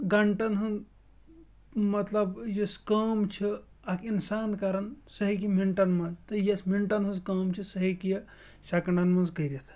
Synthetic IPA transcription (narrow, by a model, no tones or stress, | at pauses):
ɡɐɳʈɐnɦɐn | mɐt̪lɐbjɐskɐːmt͡ʃʰi | ɐkinsaːnkaːɾɐnsɐɦik̬imiɳʈɐnmɐzt̪əjɐsmiɳʈɐnɦɐnzkɐːmt͡ʃʰisɐɦikij | sʲakɐɳɖɐnmɐnzɡɐjɾɐt̪ʰ